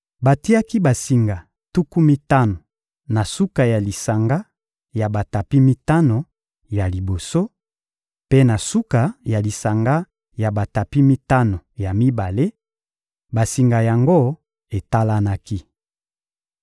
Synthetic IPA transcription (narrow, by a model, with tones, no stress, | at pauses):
ba˨ti˦a˦ki˦ba˨si˨ŋɡa˨ | tu˦ku˦mi˦ta˦no˨ | na˨su˦ka˨ja˨li˨sa˨ŋɡa˦ | ja˨ba˨ta˨pi˦mi˦ta˦no˨ | ja˨li˨bo˨so˦ | pe˦na˨su˦ka˨ja˨li˨sa˨ŋɡa˦ | ja˨ba˨ta˨pi˦mi˦ta˦no˨ja˨mi˦ba˨le˦ | ba˨si˨ŋɡa˨ja˨ŋɡo˦ | e˨ta˦la˦na˦ki˦